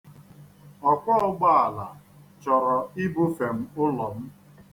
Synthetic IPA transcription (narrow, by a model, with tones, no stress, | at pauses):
ɔ˨kʷɔ˦ɔ˦ɡ͡ba˦a˨la˨ | t͡ʃɔ˨ɾɔ˨i˦bʊ˦fe˨m̩˦ʊ˦lɔ˨m̩˦